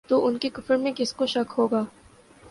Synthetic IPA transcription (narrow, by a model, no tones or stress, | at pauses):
t̪oʔʊnkekʊfəɾmẽkɪskoʃɐkɦoːɡaː